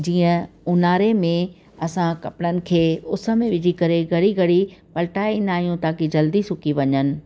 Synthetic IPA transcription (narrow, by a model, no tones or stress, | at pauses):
d͡ʑiːə̃ʊnaːɾemẽ | ɐsãkɐpɪɽənɪ̆kʰeːʊsə̆mẽʋɪd͡ʑʱikɐɾeɡɐɽiɡɐɽipɐlʈaːinaːɦijũt̪aːkid͡ʑɐld̪isʊkiʋɐɲənɪ̆